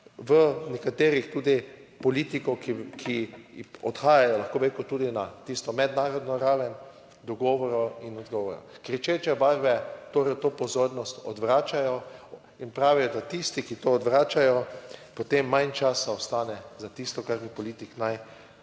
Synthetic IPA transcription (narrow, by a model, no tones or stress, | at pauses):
ʋənɛkat̪eːɾixt̪uːd̪ipɔliːt̪ikɔkikʰiɔt̪xaːjajɔlaxkoːbɾekʊt̪uːd̪inat̪ist̪ɔmɛd̪naːɾɔd̪nɔɾaːʋɛn | d̪ɔɡɔʋɔɾɔinɔd̪ɡɔːʋɔɾɔ̰kɾɛt͡ʃet͡ʃɛbaɾbɛt̪oɾɛt̪oːpɔzoːɾnɔst̪ɔ̰d̪ʋɾaːt͡ʃajɔ | inpɾaːʋijɔd̪at̪ist̪ikit̪oːd̪ʋɾaːt͡ʃajɔpɔt̪emːãnt͡ʃaːsaɔst̪aːnɛzat̪ist̪ɔkaɾmipɔliːt̪iknaj